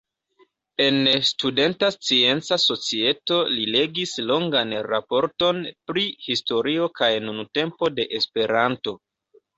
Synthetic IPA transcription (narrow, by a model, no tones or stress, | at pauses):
e̞nstude̞ntast͡sie̞nt͡saso̞t͡sie̞to̞lile̞ɡislo̞ŋɡanɾapo̞ɾto̞npɾihisto̞ɾio̞kajnunute̞mpo̞de̞ʔespe̞ɾanto̞